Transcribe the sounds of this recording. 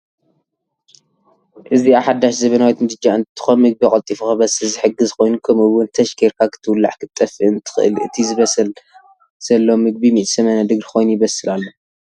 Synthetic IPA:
ʔɨziaħad̪ːaʃzɐβɐnawit̪mɨd̪ɨd͡ʒaɨnt̪ʰːɨ̥xonmɨɡ̚bikʼɐlt̪ʼifuxabɐsɨlzɨħɨɡɨzkʰo̞jnukʰɐmɨwʊnt̪ʰɐʃkʰeɾkʰakʰɨ̥t̪ʰɨwʊlːa̰ʕkʰɨt̪ʼːɐfɨɨnt̪ʰɨ̥xɨʔɨ̰lɨ̰t̪ʰizɨβɐsɨl | z̥ɐlːomɨɡ̚bimiʔsɐmɐnad̪ɨɡɾxʰo̞jnujɪβɐsɨlalːo̞

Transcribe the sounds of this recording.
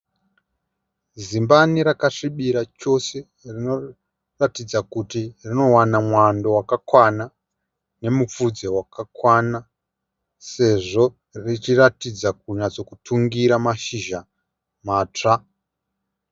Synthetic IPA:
zimbaniɾakaʂiɓiɾat͡ʃo̞se̞ | rino̞ | ratid͡zakutirino̞wanamwando̞wakakwana | ne̞mup͡fud͡ze̞wakakwana | se̞ʐo̞ | rit͡ʃiratid͡zak̚uɲat͡so̞kutʰuŋɡiɾamaʃiʒa | maːt͡ʂa

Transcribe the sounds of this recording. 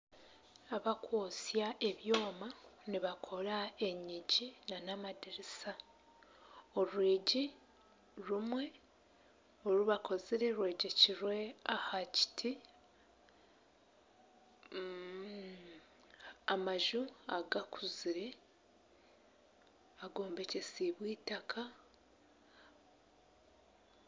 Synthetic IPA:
aβakwoːsjaʔe̞βjo̞ːmaniβakʰo̞ɾae̞ɲiɟinanamadiɾisa | oɾwiːɟi | ɾumwe̞ | oɾuβakʰo̞ziɾe̞ɾwe̞ːɟeciɾwe̞ahaci̥tʰi | amaʒuaɡakʰuziɾe | aɡo̞ːmbe̞ce̞siβwiːtakʰa

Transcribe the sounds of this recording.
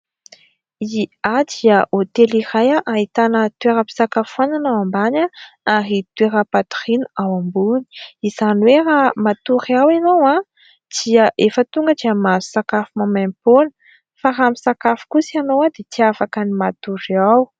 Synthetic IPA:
iad̪iəʔot̪elirajaʔaɦit̪anət̪ueɾəpi̥sakafuananawambanaaɾit̪ueɾəpat̪u̥ɾinuawambuni̥izanweɾamat̪uɾiawinowa | d̪̥iəʔefət̪uŋɡəd̪iamazu̥sakafumamamponə̥ | faramisakafu̥kusianowad̪et͡s̪iafakənimat̪uɾiaw

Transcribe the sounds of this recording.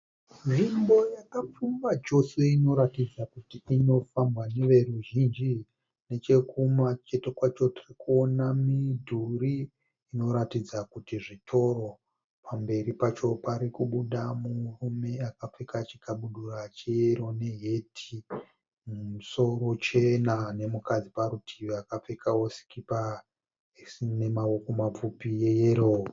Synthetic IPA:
nʐimbo̞jakap͡fumbat͡ʃo̞se̞ino̞ɾatid͡zakutiino̞fambwane̞ʋe̞ruʒind͡ʒi | ne̞t͡ʃe̞kumat͡ʃe̞tekwat͡ʃo̞tirikuonamidʱuriː | no̞ɾatid͡zakutiʐitʰo̞ro̞ | pʰambe̞ɾipat͡ʃo̞paɾikuɓuɗamurume̞akap͡fekat͡ʃi̥kaɓuɗurat͡ʃejeɾo̞ne̞ɦetʰi | mumuso̞ɾo̞t͡ʃenane̞mukad͡zipaɾutʰiʋeakap͡fekʰawosi̥kipa | sne̞mawokomap͡fupije̞jeɾo

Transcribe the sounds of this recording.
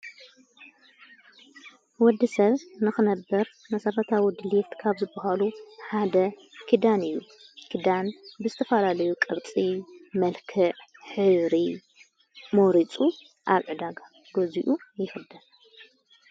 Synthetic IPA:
wɔd̪ːisɐβnɨxɨnɐbːɐɾ | mɐsɐɾɐt̪ʰawid̪ɨlift̪kʰaβzɨbːɐɦaluħad̪ɐ | kʰid̪anɨjːu | kʰid̪anbɨzɨt̪ʰɐfɐlalɐjukʼɨɾt͡sʼimɐlkʰɨʕħɨβɾi | moɾit͡sʼu | ʔaβʕɨd̪aɡa | ɡ̥oziʔujɪxɨd̪ɨn

